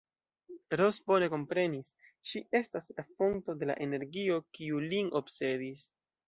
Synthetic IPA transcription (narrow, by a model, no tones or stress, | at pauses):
ɾo̞sbo̞ne̞ko̞mpɾe̞nisʃiʔe̞staslafo̞ŋto̞de̞la̰ʔe̞ne̞ɾɡio̞kiulino̞bse̞dis